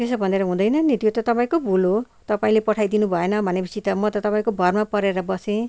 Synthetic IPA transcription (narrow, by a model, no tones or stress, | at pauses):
t̪esʌbʱʌneɾʌɦũd̪ʌjnʌnit̪ijot̪ʌt̪ʌpaĩkobolo | t̪ʌpaĩlepʌʈʰajd̪inubʱʌenʌmʱanebʱisit̪ʌmʌt̪ʌt̪ʌpãĩkobʱʌrmapʌɾeɾʌbʌsẽ